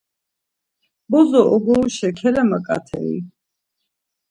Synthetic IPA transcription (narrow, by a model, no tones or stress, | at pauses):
bɔzɔʔɔɡɔʃɛkʰɛlɛmakʼa̰t̪ʰɛ̰ḭ